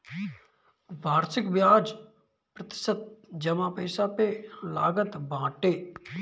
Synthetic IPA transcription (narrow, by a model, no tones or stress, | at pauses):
bʱaːɾsɪkʋjaːd͡ʒ | pɾət̪ɪ̥sət̪̚d͡ʒəmãːpəːsaːpelaːɡət̪bãːʈeː